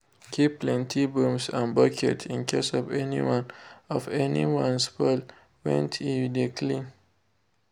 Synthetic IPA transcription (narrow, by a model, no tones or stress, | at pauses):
kʰipːlɛ̃ntʰibũmsãnbakʰɛ̰tʰĩnkʰesɔvɛnḭwãnɔvɛnḭwãnspɛl | wɛ̰̃ntʰimidə̃tʰli